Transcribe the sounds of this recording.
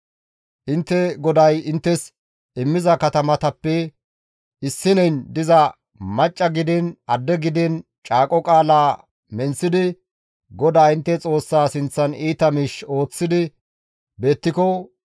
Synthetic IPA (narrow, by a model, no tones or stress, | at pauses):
ʔɪnt̪ːɛɡɔd̪ɐjɪnt̪ːɛs | ɪmːɪzɐkɐt̪ɐmɐt̪ɐpːɛ | ɪsːɪnɛjnd̪ɪzɐ | mɐt͡ʃʼːɐɡɪd̪ɛnɐd̪ːɛɡɪd̪ɛn | t͡ʃʼaːkʼɔkʼaːlaː | mɛnsɪd̪ɪ | ɡɔd̪aːɪnt̪ːɛt͡sʼo̞ːsːaːsɪnt͡sːɐniːt̪ɐmiʃo̞ːt͡sːɪd̪ɪ | be̞ːt̪ːɪkɔ